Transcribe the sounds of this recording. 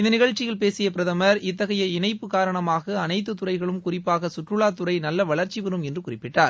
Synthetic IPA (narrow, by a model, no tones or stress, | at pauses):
ɪnd̪ɐnɪɣɐɻt͡ʃːɪjɐlpeːsɪjɐp̬ɪɾɐðɐmɐɾɪt̪ːɐɣɐjɐɪnɐɪpːɯkaːɾɐɳɐmaːɣɐɐnɐɪt̪ːɯt̪ʊrɐɪɣɐɭɯmkʊrɪpːaːɣɐsʊʈːrɯɭaːt̪ʊɾɐɪnɐlːɐʋɐɭɐɾt͡ʃiʋɪɾɯmɛndrɯkʊrɪpːɪʈːaːɾ